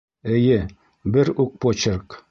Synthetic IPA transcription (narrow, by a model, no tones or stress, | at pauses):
ɘ̆jɘ | bɘɾuk̚pot͡ɕɤɾk